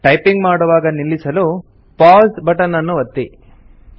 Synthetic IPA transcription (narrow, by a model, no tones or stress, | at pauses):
ʈɐjpiŋɡmaːɽuʋaːɡɐnilːisɐlu | paːzbɐʈɐnːɐnːuʋɐt̪ːi